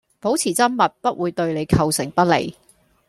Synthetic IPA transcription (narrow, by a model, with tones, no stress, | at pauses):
po˨˥wt͡sʰiː˨˩t͡sɐ˥mmɐ˨t̚pɐ˥t̚wʔuː˨˧jt̪ɵ˧ɥle˨˧jkʰɐ˧wsɪ˨˩ŋpɐ˥t̚lḛ˨˩j